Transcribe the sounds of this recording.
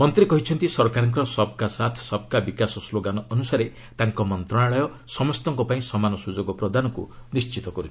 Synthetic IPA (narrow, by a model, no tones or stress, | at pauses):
mɔnt̪ɾikɔɦit͡ʃʰɔnt̪isɔɾkaɾɔŋkɔɾɔsɔb̚kasat̪ʰsɔb̚kabikasɔsloɡanɔʔːnusaɾe | t̪aŋkɔmɔnt̪ɾɔɽ̃aɭɔjɔsɔmɔst̪ɔŋkɔpaĩsɔmanɔsud͡ʒoɡɔpɾɔd̪anɔkṵnist͡ʃit̪ɔkɔɾut͡ʃʰi̥